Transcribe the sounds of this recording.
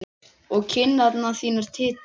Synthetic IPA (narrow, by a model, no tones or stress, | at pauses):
ɔɣcʰɪnːat̪naθiːnaɾ̥t̪ʰɪːt̪